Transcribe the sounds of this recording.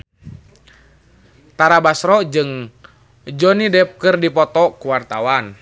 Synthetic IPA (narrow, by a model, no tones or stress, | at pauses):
t̪aɾabasɾɔd͡ʒɨŋ | d͡ʒɔnidɛp̚kɨrdipɔt̪ɔkuwart̪awan